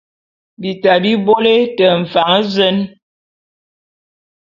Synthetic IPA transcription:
bi˨ta˨bi˦bo˦le˦tə˨ɱ̩˨fa˨˦ŋ˦zə˦n

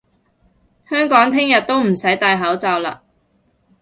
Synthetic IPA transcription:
hœː˥ŋkɔː˨˥ŋt̪ʰɪ˥ŋjɐ˨t̪̚o˥wm̩˨˩sɐ˨˥jt̪aː˧jɦɐ˨˥wt͡sɐː˨wla̰ː˧

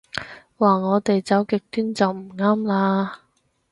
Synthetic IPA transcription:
waː˨˩ŋɔː˨˧t̪e˨jt͡sɐ˨˥wkɪ˨k̚t̪yː˥nt͡sɐ˨wm̩˨˩ŋaː˥mlaː˧

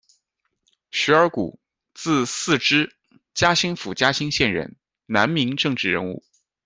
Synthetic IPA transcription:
ɕy˧˥ə˞˧˥kṵ˨˩ | t͡sɹ̩˥˧sɹ̩˥˩ʈ͡ʂɻ̩˥ | t͡ɕja˥ɕi˥ŋfu˨˩t͡ɕja˥ɕi˥ŋɕjɛ˥˩nɻə̰˧˥n | na˧˥nmi˧˥ŋʈ͡ʂɤ˥˧ŋʈ͡ʂɻ̩˥˩ɻə˧˥nṵ˥˩

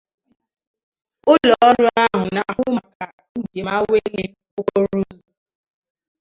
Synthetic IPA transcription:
ʊ˦lɔ˨ɔ˦ɾʊ˦a˦ɦʊ˨na˨ɦʊ˦ma˨ka˨ | n̩˦˨de˨ma˦we˦le˦o˦ko˦ɾu˦zu˨

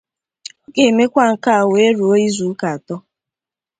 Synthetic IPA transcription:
o˦ke˨me˦kʷa˦ŋ̩˨ka˦a˨we˦ɾu˨o˦i˦zu˨˦ka˨a˨tɔ˦

